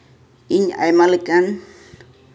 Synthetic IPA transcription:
iɲa̰jmalɪkʼan

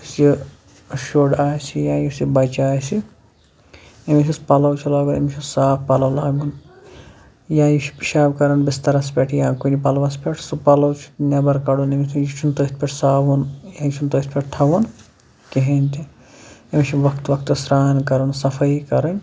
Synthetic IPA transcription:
sji | ʃoːɖaːjsʰijãːjusibɐt͡ʃaːjsi | emit͡ʃʰispɐlɐwt͡ʃʰilaːɡunɐ̰mit͡ʃʰisaːpʰpɐlɐwlaːɡun | jãːjiʃʰi̥piʃaːbkɐɾɐnbist̪ɐɾɐspʲeʈʰjãːkunipɐlʋɐspʲeʈʰsupɐlɐwt͡ʃʰi̥nɐbɐɾkɐɽunemit̪ʰunjit͡ʃʰunt̪oːt̪pʲeʈsaːʋunjãːjt͡ʃʰunt̪oːt̪pʲeʈʈ̪ʰɐʋɐn | keɦenʲt̪i | ɐmit͡ʃʰiʋɐkt̪ʋɐk̚t̪sɾaːnkɐɾɐnsɐfʰɐikɐɾɐnʲ

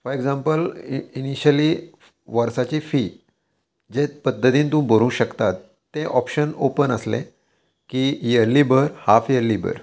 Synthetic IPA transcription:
fɔɾeɡd͡zãmpəliniɕəliː | ʋəɾsat͡ɕiːfiː | d͡ʑepəd̪ʱːət̪iːnt̪ũːmbʱəɾũːɕəkt̪at̪ː | ẽʔɔpɕənopənəslḛ̃ | kijəɾliːbʱəɾhafjəɾliːbə̰ɾ

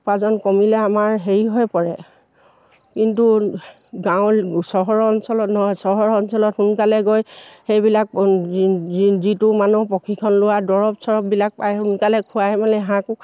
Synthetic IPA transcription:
pazɔnkɔmilɛamaɹɦeɹiɦɔjpɔɹɛ | kintu | ɡãʊ̃sɔɦɔɹɔnsɔlɔtnɔɦɔjsɔɦɔɹɔnsɔlɔthunkalɛɡojxejbilak̚ | zitʊmanupɔkʰikʰɔnlʊwadɔɹɔpsɔɹɔp̚bilak̚pajhunkalɛkʰʊaɛmanɛɦãkʊ

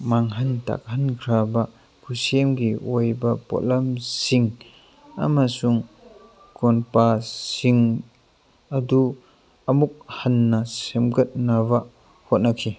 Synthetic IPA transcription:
maŋɦanta̰k̚hanɡʰɾaba | kʰusemɡiʔojbapo̰lamsiŋ | a̰masuŋ | kɔnpasiŋ | ɐdu | ɐmuk̚hanːɐsemɡɐt̚naβa | hot̚nakʰi

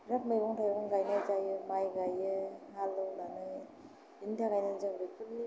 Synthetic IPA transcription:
ɾap̚mejbɔŋtʰajɾbɔŋɡajnazajɯmajɡajɯhalɯwlanɯ | intʰaɡajnazaɾɯkʰɯli

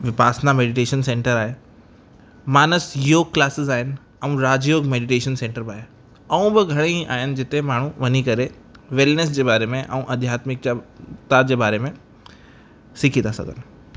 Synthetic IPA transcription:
ʋɪpaːsnameːɖɪʈeːʃənsẽːɳʈəɾaːɦe | maːnəsjoːɡ̚klaːsɪzaːɦɪnɪ̆ | ɐũɾaːd͡ʑjoːɡmeːɖɪʈeːʃənsẽːɳʈəɾbaːɦe | ɐũbɪɡʱɐɽ̃ia̰ːɦɪnɪ̆d͡ʑɪt̪emaːɳ̤ũʋɐɲikɐɾe | ʋɛːlnəsd͡ʑeːbaːɾemẽʔɐ̰ũʔɐd̪ʱjaːt̪mɪk̚d͡ʑat̪ad͡ʑeːbaːɾemẽ | sɪkʰit̪ʰasɐ̰ɡʱənɪ̆

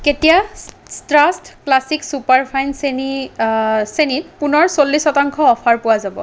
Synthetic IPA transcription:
ketija | stɹastklasiksupaɹpʰajnseni | senitpunɔɹsolːisɔtaŋkʰɔɔpʰaɹpʊwazabɔ̰

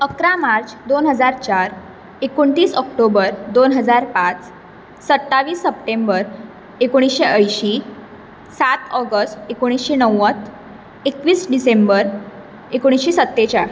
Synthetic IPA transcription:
əkɾamaɾt͡ɕd̪onɦəd͡zaɾt͡ɕaɾ | ekoɳt̪iːsɔk̚ʈobəɾd̪onɦəd͡zaɾpat͡s | sət̪ːaʋiːsːəp̚ʈembəɾ | ekoɽ̃isɕeʔəjɕi | sat̪ɔɡəsʈekoɽ̃isɕenəwːət̪ | ekʋiːsɖisembəɾ | ekoɽ̃isɕesət̪ːet͡ɕa

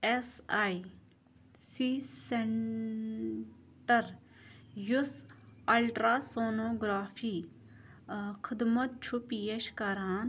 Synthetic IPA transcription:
esaːi | siːseɳ | ʈəɾ | jʊsɐlʈɾaːsoːnoːɡɾaːfʰiː | kʰɪd̪mət̪̚t͡ʃʰupiːeʃkaɾaːn

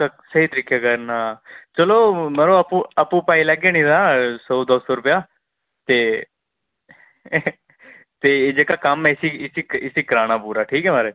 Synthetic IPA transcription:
əsəɦiːt̪ɾɪkʰːjaːkəɾnaːt͡ʃəloːməɾoːəpũːəpũːpaːiːləɡeːnĩd̪ãːsoːd̪oːsoːɾʊpjaː | t̪eː | t̪eːeːd͡ʒeːkaːkəmɛ̃ːɪsiːɪsiɪsiːkəɾaːɽ̃aːpuːɾaːʈʰiːkɛːmaːɾeː

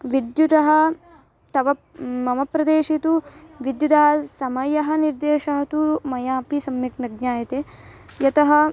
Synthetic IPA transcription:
ʋid̪jud̪ɐɦɐ̆ | t̪ɐʋɐ | mɐmɐpɾɐd̪eːʃit̪uʋid̪jud̪ɐɦɐsɐmɐjɐɦɐniɾd̪eːʃɐɦɐt̪umɐjaːpisɐmːjɐknɐɡ̚ɲaːjɐt̪e | jɐt̪ɐɦɐ

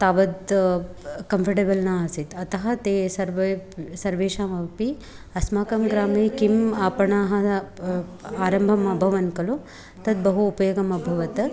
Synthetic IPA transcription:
t̪aːʋɐd̪ | kɐmpʰɐʈeːbɐlnaːɐsit̪ɐt̪ɐɦɐt̪eːsɐɾʋsɐɾʋeːʃaːmɐpi | ɐsmaːkɐmɡɾaːmikimaːpɐɳaːɦɐ̆ | aːɾɐmbʱɐmɐbʱɐʋɐnkɐlu | t̪ɐd̪̚bɐɦuːpɐjoːɡɐmɐbʱɐʋɐt̪ɐ

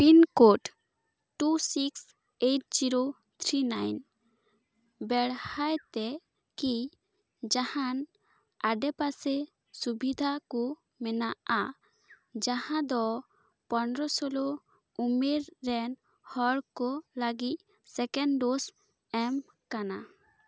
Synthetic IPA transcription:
pinkoʈ | ʈusiks | eʈ̚d͡ʒiɾo | t̪ʰɾinajn | bɛɽhajt̪ɛ | ki | d͡ʒahãn | aɖɛpasɛ | subid̪ʱakɔ | mɛnaʔa | d͡ʒahãd̪ɔ | pɔnɾɔsɔlo | umeɾːɛn | hɔɽkɔləɡic̚ | sɛkɛnɖos | ɛm | kana

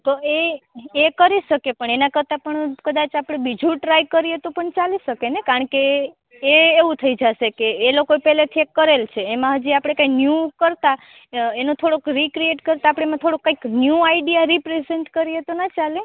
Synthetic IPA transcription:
t̪oeekəɾiʃəkepəɳenakəɾt̪ãpəɳkəd̪at͡ʃapɽ̃ebid͡ʒũʈɾajkəɾiet̪opəɳt͡ʃaliʃəkenekaɾəɳkeː | ʋũt̪ʰəid͡ʒaʃekeːlokoepɛɦlet̪ʰiekːəɾelt͡ʃʰeːmãɦəd͡ʒiapɽ̃ekaiknjukəɾt̪a | enõt̪ʰoɽokɾikɾieʈkəɾt̪aːpɽ̃emãt̪ʰoɽokːaiknjuaiɖijaɾipɾezeɳʈkəɾiet̪onat͡ʃale

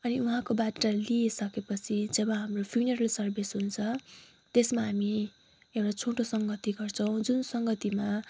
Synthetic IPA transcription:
ʌniuɦãkobaʈːʌliesʌkepʌt͡sʰid͡zʌbʌ̃ɦamropʰjunʌɾʌlsʌrbesɦunt͡sʰʌ | t̪esmaɦami | ewɽat͡sʰõʈosʌŋɡʌt̪iɡʌrt͡sʰʌw̃d͡zunsʌŋɡʌt̪ima

